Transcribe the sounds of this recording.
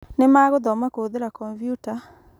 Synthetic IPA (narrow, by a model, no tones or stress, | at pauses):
nemaɣoðɔmakoðeɾakɔmpjuta